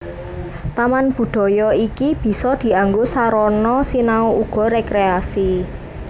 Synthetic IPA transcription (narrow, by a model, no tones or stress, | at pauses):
t̪amanb̥ṳɖ̪̥ɔ̤jɔikib̥i̤sɔd̪̥i̤aŋɡosaɾɔnɔsinauuɡ̥ɔ̤ɾekɾeasi